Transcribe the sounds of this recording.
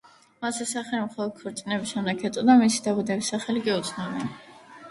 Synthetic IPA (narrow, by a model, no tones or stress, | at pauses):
masɛsaχɛlimχɔlˠɔd̪̥̚kʰɔɾt̪sʼinɛbisʃɛmd̪ɛkʰɛt̪sʼɔd̪amisid̪abud̪ɛbisaχɛlikʼiut̪sʰnabɛn